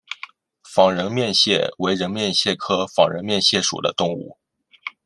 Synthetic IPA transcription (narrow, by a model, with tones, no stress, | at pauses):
fɑ˧˥ŋɻə˧˥nmjɛ˥˧nɕjɛ˥˩we˧˥ɪɻə˧˥nmjɛ˥˧nɕjɛ˥˩kʰɤ˥fɑ˨˩ŋɻə˧˥nmjɛ˥˧nɕjɛ˥˩ʂṵ˨˩d̪ə̰˦t̪ʊ˥˧ŋṵ˥˩